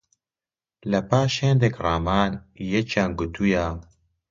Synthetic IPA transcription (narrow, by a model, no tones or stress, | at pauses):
lɛpaːʃheːnd̪ekraːmaːnjɛt͡ʃaːnɡʊt̪ʰujaː